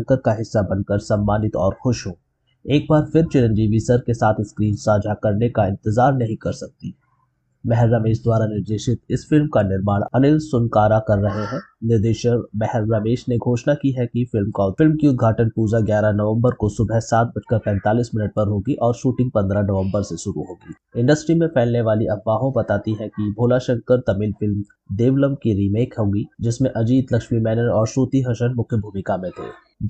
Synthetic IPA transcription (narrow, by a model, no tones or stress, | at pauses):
ŋkəɾkaɦɪsːabɐnkəɾsɐ̃mbaːnɪt̪ɔːɾxʊʃɦoː | eːk̚baːɾfɪɾt͡ʃɪɾə̃nd͡ʒiʋisɐɾkesaːt̪ʰɪskɾiːnsaːd͡ʒʱakɐɾnekaɪ̃nt̪ɪzaːɾnɐɦĩkɐɾsɐk̚t̪i | mɛɦɛɾːaːmeːʃd̪waːɾanɪɾd̪eːʃɪt̪ɪsfɪlmkanɪɾmaːɽ̃ɐnɪlsʊnkaːɾakɐɾːɐɦeɦɛ̃ːnɪɾd̪eːʃəɾmɛɦɛɾɾaːmeːʃneɡʱoːʃnakiɦɛkifɪlmkɔːlfɪlmkiʊd̪ɡʱaːʈənpuːd͡ʒaɡjaːɾanɐʋə̃mbəɾkosʊbʱɛsaːt̪̚bɐt͡ʃkapɛ̃ːnt̪aːliːsmɪnəʈ̚pɐɾɦoːɡiʔɔːɾʃuːʈɪ̃ŋɡ̚pɐ̃nd̪ɾanɐʋə̃mbəɾseʃʊɾuɦoːɡiː | ɪ̃ɳɖəsʈɾimẽpʰɛːlneʋaːliʔɐbːaːɦõbɐt̪aːt̪iɦɛ̃kibʱoːlaʃɐ̃ŋkəɾt̪ɐmɪlfɪlm | d̪eːʋləmkiɾiːmeːkɦõːɡid͡ʒɪsmẽʔɐd͡ʒiːd̪lɐkʃmimɛːnəɾɔːɾʃuːt̪iɦɐʃənmʊkʰjəbʱuːmɪkamẽt̪ʰḛː